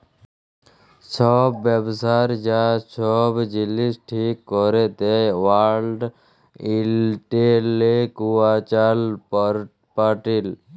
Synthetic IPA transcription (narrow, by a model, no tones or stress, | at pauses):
sʰɔbːebsaɾd͡ʒasɔbd͡ʒilisʈʰikːɔɾet̪ewalɖ | ilʈelekuat͡ʃal | paʈil